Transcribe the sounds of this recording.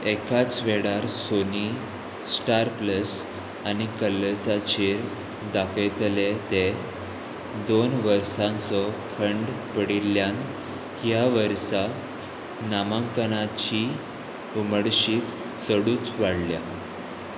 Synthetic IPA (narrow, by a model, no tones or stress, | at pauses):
ekat͡sʋeɽaɾsoni | sʈaɾpləs | anikəlːəsat͡ɕeɾ | d̪akʰet̪let̪e | d̪onʋəɾsãnt͡sɔkʰəɳɖpəɽilːjan | hjaʋəɾsa | namãŋkənat͡ɕi | uməɽɕiːt̪ | səɽuːt͡sʋaɽlja